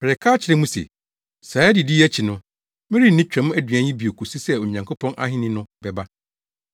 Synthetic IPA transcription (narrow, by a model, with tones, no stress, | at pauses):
pʰɛ˨ɾɛ˨kʰaː˦t͡ɕʰɪ˨ɾɛ̃˦mũ˦sɛ̰˨ | saː˨˦ɛ˦dɪ˨di˦æ˦t͡ɕʰi˨nʊ̃˦ | mɪ̃˦ɾi˦n̩˨nĩ˦t͡ɕᶣɛ̃˨mʊ̃˦æ˦dɥæ̃˨ɲĩ˦bi˨o˨kʰu˨si˦sɛ˦o˨ɲã˨ŋkʰo˦pʰɔ̃˦nʔa̰˦ɦɪ̃˦nɪ̃˦nʊ̃˦bɛ˨ba˦